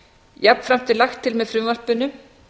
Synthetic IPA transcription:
japn̥fɾam̥t̪ʰɪlaxt̪ʰːɪlmɛðfɾʏvar̥pʏnːʏ

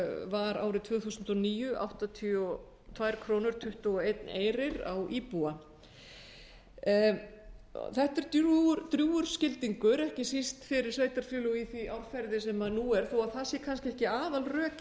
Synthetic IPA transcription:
vaɾa̰ːwɾɪt̪ʰvœːɣθusʏnt̪ɔniːjʏʔa̰wht̪at̪ʰiɔ | t̪ʰvajɾkʰɾoːwnʏɾ̥t̪ʰʏht̪ɔwejt̪neːjɾɪɾa̰wʔiːpua | θɛht̪ɛɾ̥t̪ɾt̪ɾjuːʏɾ̥scɪlt̪iŋkʏɾɛhcɪsist̪fɪɾɪ̥sveːjt̪aɾ̥fjʏːlʏiθiʔawɾfɛɾðɪsɛmaðnuɛɾ̥θowaðθasjɛkʰanscɪɛhcɪaːðalrœːc

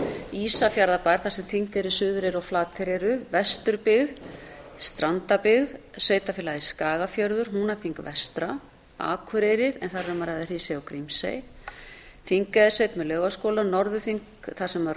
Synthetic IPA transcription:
iːsafjaɾðapajɾ̥θasɛmθiŋkɛɾʏsʏðʏɾɛɾɔɣflaːt̪ʰɪɾɛɾʏvɛst̪ʏɾpɪɣðst̪ɾant̪apɪɣðsœːɥt̪afɪlaðiskaːɣafjœɾðʏɾ̥hunaθiŋkvɛst̪ɾa | a̰ːkʰʏɾeɾɪðɛnθarɛɾmaɾajðar̥iːsɛawkɾimsḛj | θiŋkaðɪsœːɥt̪mɛlœːɣaskɔːlanɔɾðʏθiŋk | θasɛmaɾ

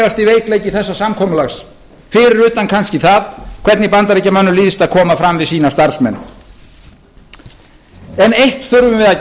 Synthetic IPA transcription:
ast̪iveːjklejcɪθɛsːasamkʰɔːmʏlaxs | fɪːɾɪɾʏːt̪ankʰanscɪθaðkʰv̥ɛɾt̪nɪpant̪aɾijcːamœnːʏliːðɪst̪aðkʰɔːmafɾamvɪðsiːnast̪aɾ̥smɛnː | ɛnejht̪θʏɾvʏmvɪða

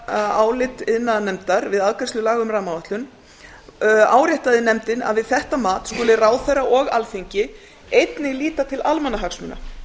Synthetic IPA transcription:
aðaːwlɪt̪ɪðnːanɛmt̪aɾvɪðaðkast̪lʏlaːɣʏmraːmavaht̪lʏn | aːwɾjɛht̪aðɪnɛmt̪ɪna̰ðvɪðθɛht̪amaːt̪skʊːlɪraːwθɛraʔɔɣalθiɲcɪ | ejt̪nɪɣliːt̪at̪ʰɪlʔalmanaɦaksmʏnːa̰

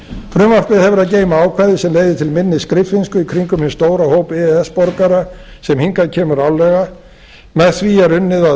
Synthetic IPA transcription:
fɾʏmar̥pɪðhɛvʏɾaðcejmaaːwkʰvaðɪsɛmleːjðɪt̪ʰɪlmɪnːɪskɾɪflɪnskʏikʰɾiŋkʏmhɪnst̪oːwɾahoːwpɛɛɛspɔɾkaɾasɛmhiŋkaɾcʰɛːmʏɾawlɛɣa | mɛðθviaɾʏnːɪða

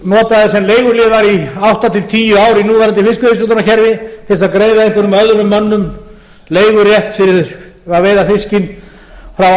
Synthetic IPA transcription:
nɔːt̪aðɪsɛmleːjɣʏɾlɪðaɾiawht̪at̪ʰɪlt̪ʰiːjʏaːwɾɪnuːvaɾat̪ɪlfɪscʏhest̪ut̪anaçɛɾvɪθɪsaðkɾeːjðaeɪŋkvʏɾʏmœððʏɾʏmːœnːʏm | leːjɣʏɾjɛht̪fɪɾɪð | aveːjðafɪscɪn | fɾaw

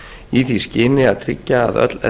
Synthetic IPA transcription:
iθiscɪːnɪaðt̪ʰɾɪ̰cːaːðœ̰t̪lɛ̰

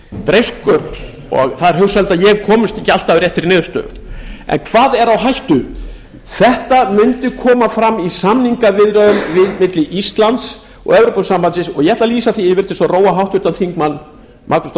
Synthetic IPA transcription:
pɾejskʏɾ | ɔ̰ɣθaðɛɾhʏwsalt̪aðjɛɣkʰɔːmʏst̪ɪhcːɪalt̪avʏɾjɛht̪ɪɾnɪːðʏst̪œ̰ɣʏ̰ | ɛ̰nkʰvaːðɛɾawɦajht̪ʏ | θɛht̪amʏnt̪ɪkʰɔːmafɾamːisamniŋkavɪðɾœðʏmvɪðmɪt̪lɪʔist̪lant̪s | ɔ̰ɣɛvɾowpʏsampansɪsɔɣjɛɛt̪laliːsaθiɪvɪɾt̪ɪsɔroːwaɦawht̪ʏɾt̪anθiŋkmanː | mʔaɾku̥st̪

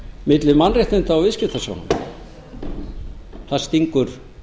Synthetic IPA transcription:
mɪt̪lɪmanreht̪ɪnt̪aːwvɪscɪ̥t̪asa̰wnʏ̰m | θast̪iŋkʏɾ̥

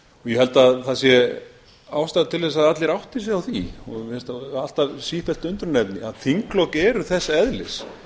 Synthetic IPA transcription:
ɔɣjɛhɛlt̪aðθasjɛ | awst̪aðat̪ʰɪlðɛsaðat̪lɪɾawht̪ɪs̬ɛawθiɔmhɛlt̪aal̥t̪avsifɛl̥t̪ʏnt̪ɾʏnɛpnɪaðθʰiŋklɔwkɛːɾʏθɛsːaɛðlɪs

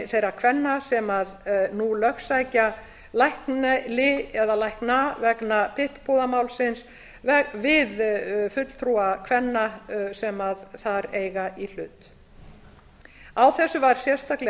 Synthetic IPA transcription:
θejɾakʰvɛnːasɛmaðnulœxsajca | lajhknlɪɛðalajhknavɛknapʰɪhppuðamaːwlsɪns | ɛvɪðfʏt̪l̥t̪ʰɾuakʰvɛnːasɛmaðθaɾeːjɣaʔil̥ʏːt̪ | awθɛsːʏvaɾ̥sjɛr̥st̪aklɪ

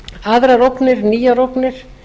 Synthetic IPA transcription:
aðɾaɾowpnɪɾniːjaɾowpnɪɾ̥

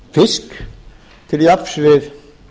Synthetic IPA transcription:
fɪsk | t̪ʰɪljapsvɪð

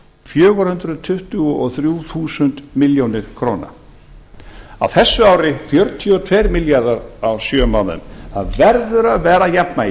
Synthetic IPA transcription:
fjœːɣɔɾhʏnt̪ɾʏðt̪ʰʏht̪ʏɣɔɔθɾjuːθuːsʏnt̪mɪljownɪɾ̥kʰɾoːwna̰ | a̰wθɛsːʏawɾɪfjœɾt̪ʰiɔt̪ʰvɛɾmɪljaɾðaɾawsjœːmanːʏ̰mθa̰ðvɛɾðʏɾaðvɛːɾajapna

